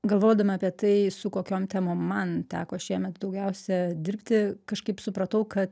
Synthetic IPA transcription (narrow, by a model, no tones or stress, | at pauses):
ɡɐlˠʋoːd̪ɐʋmɑːpʲiɛt̪ɐɪsʊkoːkʲoːmt̪ʲæːmoːmːɐnt̪ʲæːkoːʃʲiɛmʲɛt̪d̪ɐʊɡʲɛʊsʲɛd̪ʲɪɾʲpʲt̪ʲɪkɐʃkɐɪpsʊpɾɐt̪ɐʊkɐt̪